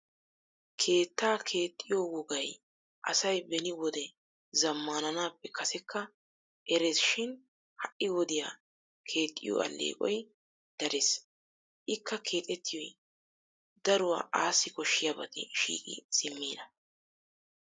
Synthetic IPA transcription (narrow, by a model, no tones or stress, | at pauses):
kʰe̞ːt̪ːaːkʰe̞ːt̪ʼːɪjowʊɡɐj | ʔɐsɐjbɛnɪwɔd̪ɛ | zɐmːaːnɐnaːpːɛkʰɐsɛkʰːɐ | ʔɛɾesʃɪn | hɐʔɪwɔd̪ɪjaː | kʰe̞ːt̪ʼːɪ̰jɔ̰ɐ̰lːʔḛːkʼɔ̰j | d̪̥ɐɾes | ʔɪkːɐkʰe̞ːt̪ʼɛt̪ːɪjɔj | d̪̥ɐɾʊwa̰ːʔaːsːɪkɔʃːɪjɐbɐt̪ɛ̰ʃḭːkʼɪ̰sɪmːiːd̪ɐ